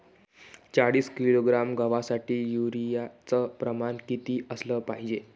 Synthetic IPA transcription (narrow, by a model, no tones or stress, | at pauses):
t͡saɽiːskiloɡɾamɡəʋasaʈiːjuɾijat͡səpɾəmankit̪iːəsləːpaɦid͡ʑe